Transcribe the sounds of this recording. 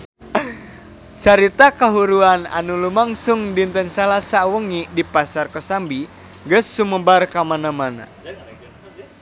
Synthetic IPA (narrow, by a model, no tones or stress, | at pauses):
t͡ʃaɾit̪akaɦuɾuana̰nulumaŋsuŋdint̪ənsalasawəŋidipasarkɔsambiŋɡəsːuməbarkamanamana̰